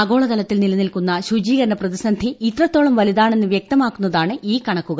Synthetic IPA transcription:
ɐɡo̞ːɭɐkɐlɐt̪ːilnilɐnilkunːɐɕud͡ʑiːɣɐɾɐɳɐprɐðisɐnd̪ʱiːt̪rɐt̪ːo̞ːɭɐmʋɐliðaːɳe̞nːɨʋjek̚t̪ɐmaːkːunːɐðaːɳɨʔiːkɐɳɐkːuɣɐ

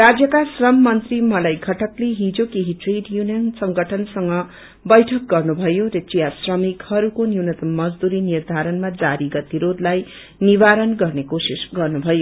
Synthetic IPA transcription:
rad͡zjʌkasrʌmːʌnt̪rimʌlajɡʱʌʈʌkleɦid͡zokeɦiʈreɖjunijʌnsʌŋɡʱʌʈʰʌnsʌŋɡʌ | bʌjʈʰʌk̚ɡʌrnubʱʌjoɾʌt͡sijasrʌmikhʌɾukonjunʌt̪mːʌd͡zd̪uɾinird̪ʱaɾʌnmad͡zaɾiɡʌt̪iɾod̪laj | nibaɾʌnɡʌrnekosisɡʌrnubʱʌjo

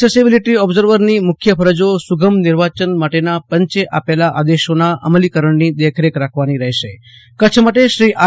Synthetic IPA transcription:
esibiliʈiɔbzəɾʋəɾnimʊkʰjəpʰəɾəd͡ʒosuɡʱəmnɪɾʋat͡ʃənmaʈenapəɲt͡ʃeʔapelaʔad̪eʃonaʔə̰məlikəɾəɳnid̪ekʰɾekɾakʰʋaniɾəɦeʃe | kət͡ʃʰmaʈeʃɾiʔa

